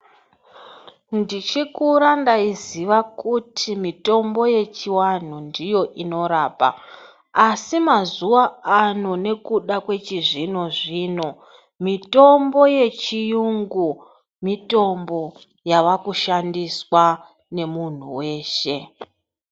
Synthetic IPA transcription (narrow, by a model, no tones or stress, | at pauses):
ndit͡ʃikuɾandaiziʋakutʰimito̞mbo̞je̞t͡ʃiwan̤undijo̞ʔino̞ɾaːpa̰ | asimazuwaano̞ne̞kuɗakwe̞t͡ʃiʐino̞ʐiːno̞ | mito̞mbo̞je̞t͡ʃijuŋɡu | mito̞mbo̞ | jaʋakuʃandiswa | ne̞mun̤ṵwe̞ːʃe̞